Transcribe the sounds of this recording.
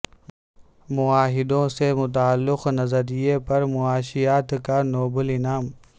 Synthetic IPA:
mʊaːɦɪd̪õsemʊt̪aːlːʊqnɐzəɾijepɐɾmʊaːʃijaːt̪kaːnoːbəlɪnaːm

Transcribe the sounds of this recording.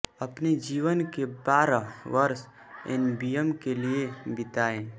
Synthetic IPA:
ɐpned͡ʒiːʋənkebaːɾaʋəɾs | ḛnbiːəmkeliebɪt̪aːẽː

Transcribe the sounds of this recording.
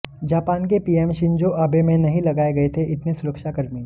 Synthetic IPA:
d͡ʒaːpaːnkepiːɛːmʃɪ̃ɲd͡ʒoʔaːbemẽnɐɦĩlɐɡaːeɡɐet̪ʰeʔɪt̪nesʊɾəkʃakɐɾmĩ

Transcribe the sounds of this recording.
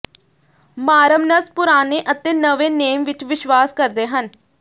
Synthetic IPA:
maːɾəmnəspʊɾaːneːʔət̪eːnəʋeːneːmʋɪt͡ʃʋɪʃʋaːskəɾd̪eːɦən

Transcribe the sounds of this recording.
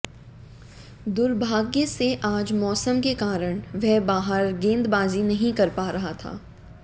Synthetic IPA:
d̪ʊɾbʱaːɡjeseʔaːd͡ʒmɔːsəmkekaːɾəɽ̃ʋɛɦbaːɦəɾɡẽːnd̪baːzinɐɦĩkɐɾpaːɾɐɦat̪ʰa̰ː

